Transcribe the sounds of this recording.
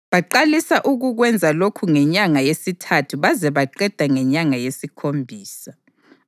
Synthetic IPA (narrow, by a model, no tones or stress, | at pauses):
βaǃalisaʔuɣuɣwɛnd͡zʱalokʰuŋɛɲaŋajesitʰatʰuβazɛβaǃɛd̥ʱaŋɛɲaŋajesikʰombʱiːsa